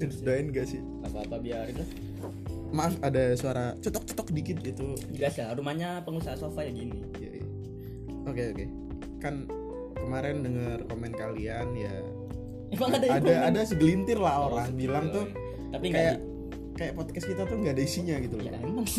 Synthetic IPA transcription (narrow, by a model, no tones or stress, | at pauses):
nsdaɪnŋɡasɪh | apaapabiaɾit̪u | maːfadasuaɾat͡ʃɔt̪ɔk̚t͡ʃɔ̥t̪ɔk̚dikɪt̪̚ɡit̪ubiasarumaɲapəŋusaɦasofajaɡini | ija̰ḭa̰ | okeoke | kan | kəmaɾɛndəŋərkomɛnt̪̚kalianja̰ | imaŋadaaaadasɪɡəlint̪ɪrlaɦalabilaŋt̪ʊ | t̪apiŋkajaʔ | kajaʔpɔt̪̚kɛst̪kit̪at̪ʊŋɡaːdaisiɲaɡit̪uloma